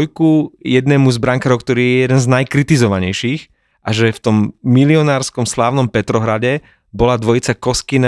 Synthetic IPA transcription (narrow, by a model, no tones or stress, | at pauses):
jkujɛd̪nɛːmuzbɾaŋkaɾɔʊk̚t̪ɔɾiːjɛɛjɛd̪ɛnznajkɾit̪izɔʋaɲɛjʃiːx | ʔaʒɛft̪ɔmːiliɔnaːɾskɔmslaːʊnɔmpɛt̪ɾɔɦɾaɟɛ | bɔlad̪ʋɔjit͡sakɔskina